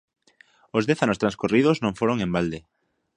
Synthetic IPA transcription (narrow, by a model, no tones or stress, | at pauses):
ozðɛθanʊst̪ɾãnskuriðoznõŋfoɾoŋembald̪e